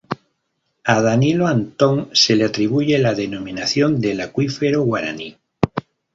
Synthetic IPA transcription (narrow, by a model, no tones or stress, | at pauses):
aðaniloant̪o̞ŋse̞leat̪ɾiβ̞uʝe̞laðe̞no̞mĩnaθjo̞nd̪e̞lakwifeɾoɣwaɾa̰ni